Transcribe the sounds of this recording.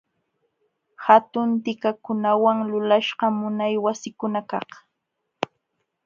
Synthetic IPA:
hat̪ʊnt̪ɪkakʊnawaŋlʊlaʃɢɑmʊnajwasɪkʊnakɑχ

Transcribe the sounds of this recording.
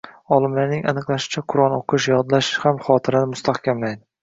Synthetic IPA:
ɒlˠɪmlaɾnɪŋa̰nɨqlˠaʃɪ̥t͡ʃʰaqʰʊɾɒnoqʰɨʃjɒd̪laʃhamχɒːt̪ʰɪɾanɪmʊst̪ʰahkʲamlajd̪ɪ

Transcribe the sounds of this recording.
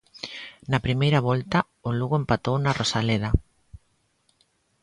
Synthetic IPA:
nɐpɾimejɾɐβɔlt̪ɐ | oluɣoempat̪ownɐrʔosaleðɐ

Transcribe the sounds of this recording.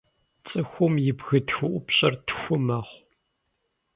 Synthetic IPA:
t͡sʼɨxʷʊmjɪbɣɨtxɨʔʷʊpɕʼɐrtʰxʷʊmɐχʷ

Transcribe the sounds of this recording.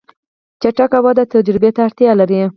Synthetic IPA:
t͡ʃaʈakawɑd̪at̪ad͡ʒɾɪbet̪aːɽt̪jɑlaɾi

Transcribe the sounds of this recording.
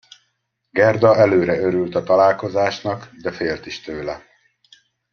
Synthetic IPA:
ɡɛrd̪ɒɛløːɾɛøɾylt̪ɒt̪ɒlaːlko̞zaːʃnɒkd̪ɛfeːlt̪iʃt̪øːlɛ

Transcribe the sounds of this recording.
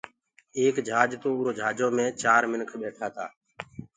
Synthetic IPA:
eːkd͡ʒʱaːd͡ʒt̪oːʊɾoːd͡ʒʱaːd͡ʒoːmẽːt͡ʃaːɾmɪnkʰɓeːʈʰaːt̪ʰaː

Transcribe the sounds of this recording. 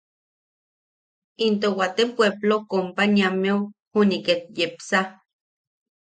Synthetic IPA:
int̪owat̪epweblokompaniameohuniket̪̚jepsa

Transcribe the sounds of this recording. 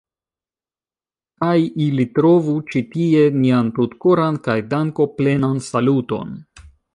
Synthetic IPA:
kajilitɾo̞vut͡ʃitie̞niantutkoɾankajdaŋko̞ple̞nansaluto̞̰n

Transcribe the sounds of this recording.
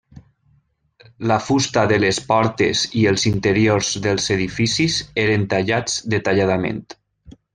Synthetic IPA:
lafust̪aðəlespɔɾt̪ḛziəlˠzint̪əɾioɾzðəlˠzeðifisizeɾənt̪aʎad͡zd̪ət̪aʎaðamḛnt̪

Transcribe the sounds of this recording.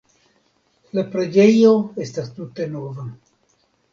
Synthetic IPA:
lapɾed͡ʒejoest̪ast̪ut̪enova

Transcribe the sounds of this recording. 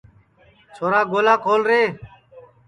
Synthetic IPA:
t͡ʃʰoːɾaːɡoːlaːkʰoːlɾeː

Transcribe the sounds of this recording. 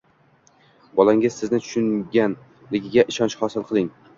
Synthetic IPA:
bɒlaŋɪzsɪznɪt̪ʰʊ̥ʃʊŋɡʲan | lɪɡʲɪɡʲaʔɪʃɒnt͡ʃχɒsɪlˠqʰɨlˠɪŋ

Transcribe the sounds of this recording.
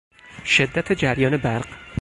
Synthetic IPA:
ʃed̪ːæt̪ʰed͡ʒæɾjɒːne̞bæɾɢ̥

